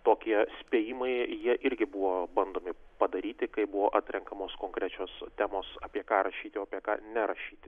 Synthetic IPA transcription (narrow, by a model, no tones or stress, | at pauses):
t̪oːkʲiɛsʲpʲeːjimɐɪjiɛʔɪɾʲɡʲɪbuʋoːbɐnd̪oːmʲɪpɐd̪ɐɾʲiːt̪ʲɪkɐɪbuʋoːʔɑːt̪ʲɾʲɛŋkɐmoːskoːŋkɾʲæt͡ʃʲoːst̪ʲæːmoːsɑːpʲiɛkɑːɾɐʃʲiːt̪ɪoːpʲiɛkɑ̰ːnʲɛɾɐʃʲiːt̪ʲɪ